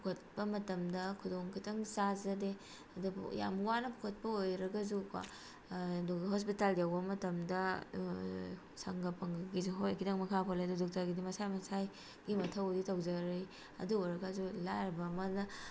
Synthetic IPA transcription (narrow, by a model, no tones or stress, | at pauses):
ppukʰot̚bɐmɐtɐmdɐkʰudoŋkʰitʰɐŋsazɐde | ɐdṵja̰mwanɐpʰukʰɐt̚pɐojɾɐɡɐzukwa̰ | doɦospitaljawbɐmɐtɐmdɐ | sɐŋɡɐpʰɐŋɡizuɦojkʰitʰɐŋmɐkʰapʰoledudɔk̚taɡidimɐsajmɐsaj | ɡimɐtʰɐwditawzɐɾij | ɐ̰duojɾɐɡɐzulajɾbɐːmɐnɐ